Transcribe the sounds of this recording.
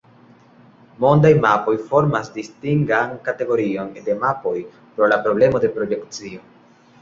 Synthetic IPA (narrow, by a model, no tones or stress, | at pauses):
mo̞ndajmapo̞jfo̞ɾmasdistiŋɡankate̞ɡo̞ɾio̞nde̞mapo̞j | pɾo̞lapɾo̞ble̞mo̞de̞pɾo̞jekt͡sio̞